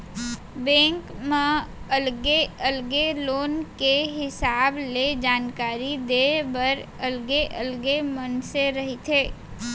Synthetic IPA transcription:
bɛ̃ːŋkmẽɐlɡeəlɡeloːnkeɦɪsaːbled͡ʒaːnkaːɾid̪eːbɐɾ | ɐlɡeʔəlɡemənseɾɐɦit̪ʰeː

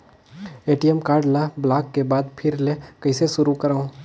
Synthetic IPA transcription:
eːʈijɛmkaːɾɖlablaːkːebaːd̪pʰɪɾlekɐɪseʃʊɾukɐɾaːũː

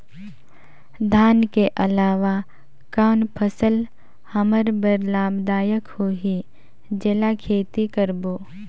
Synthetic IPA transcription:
d̪ʱaːnkeʔəlaːʋa | kaːnpʰəsəl | həməɾbəɾlaːbd̪aːjəkhoːɦi | d͡ʒɪlakʰeːt̪ikəɾboː

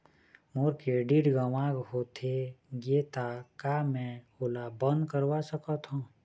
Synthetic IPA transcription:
moɾkeɖiʈɡəʋãːɡɦot̪ʰeɡeːt̪akamɛ̃ | oːlabə̃nd̪kəɾwasəkət̪ɦõː

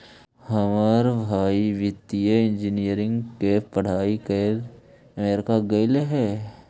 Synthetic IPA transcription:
hɐmaːɾbʱaːiʋɪt̪ijeɪ̃nd͡ʒinijəɾɪ̃ŋɡkepɐɽ̤aːikel | əmeːɾɪkaɡɐɪleɦɛː

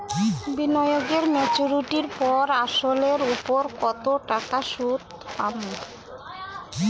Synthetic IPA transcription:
binɔjoɡeɾmet͡ɕuɾiʈiɾpɔɾaʃoleɾupoɾkɔt̪oʈakaʃud̪ | pamo

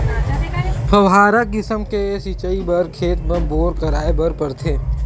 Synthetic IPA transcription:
pʰəwɦaːɾək̚ɡɪsəmkesit͡ʃəibəɾkʰeːt̪̚mɐboːɾkəɾaːebəɾpəɾt̪ʰeː

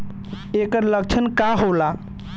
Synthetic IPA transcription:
ekəɾlək̚t͡ʃʰənkaɦola

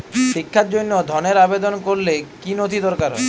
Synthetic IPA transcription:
ʃikʰːaɾd͡ʑonːod̪ʱɔneɾabed̪onkoɾlekinod̪ʱid̪ɔɾkaɾɦɔ̰

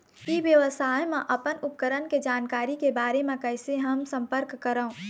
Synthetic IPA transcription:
iʋjəʋəsaːjmẽʔɐpənʊp̚kəɾənked͡ʒaːnkaːɾikebaːɾemẽkɛɪseɦɐmsə̃mpəɾkːəɾaũ

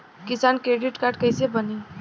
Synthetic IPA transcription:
kisankɾeɖiʈkaɾɖ̚kəjsebəne

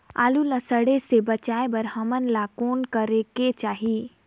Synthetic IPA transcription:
a̰lulasəɽesebət͡ʃaebəɾhəmənlakoːnkəɾeket͡ʃaːɦi

